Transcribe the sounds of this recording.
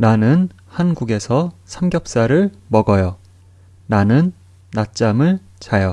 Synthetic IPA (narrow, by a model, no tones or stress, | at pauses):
nanɯn | hanɡuɡe̞sʰʌsʰamɡjʌp̚s͈aɾɯɭmʌɡʌjʌ | nanɯnː | at̚t͡ɕ͈amɯɭ | t͡ɕajʌ